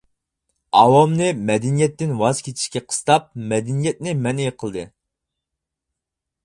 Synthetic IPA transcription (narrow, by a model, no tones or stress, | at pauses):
ɑwɑmnɨmɛd̪ɛnijɛt̪ːɪnwɑzkʲʰet̪ʰi̥ʃkʲɛqʰə̥st̪ɑp̚mɛd̪ɛnijɛt̪̚nɪmɛnejqʰəlˠd̪ɨ